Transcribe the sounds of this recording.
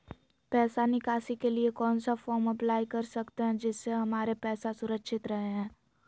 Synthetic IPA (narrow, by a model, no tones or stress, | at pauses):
pɛːsanɪkaːsikeliekɔːnsafɔːɾmɐplaːjkɐɾsɐkt̪eɦɛ̃d͡ʒɪsːeɦɐmaːɾepɛːsasʊɾəkʃɪt̪ɾɐɦeɦɛ̃ː